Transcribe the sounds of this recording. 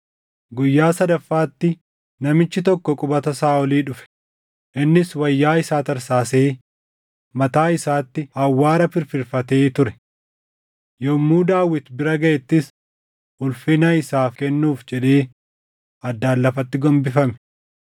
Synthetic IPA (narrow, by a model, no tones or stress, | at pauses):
ɡʊjːaːsɐd̪ɐfːaːt̪ːɪ | nɐmɪt͡ʃːɪt̪ɔkːɔkʼʊbɐt̪ɐsaːɔliːᶑʊfɛ̥ | ʔɪnːɪswɐjːaːɪsaːt̪ɐɾsaːseː | mɐt̪aːɪsaːt̪ːɪhɐwːaːɾɐfɪɾfɪɾfɐt̪e̞ːt̪ʊɾɛ̥ | jɔmːuːd̪aːwːɪt̪bɪɾɐɡɐʔɛt̪ːɪs | ʔʊlfɪnɐɪsaːfkɛnːuːfd͡ʒɛᶑeː | ɐd̪ːaːlːɐfɐt̪ːɪɡɔmbɪfɐmɛ̥